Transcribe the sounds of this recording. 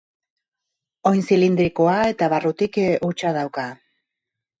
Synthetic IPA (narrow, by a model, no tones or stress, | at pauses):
o̞jnsilind̪ɾikoae̞t̪aβarut̪ikut͡ʃaðawka